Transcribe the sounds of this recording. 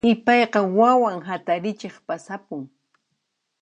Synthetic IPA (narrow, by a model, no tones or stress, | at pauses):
ɪpɑjqɑwawaŋɦat̪aɾɪt͡ʃeχpasapʊŋ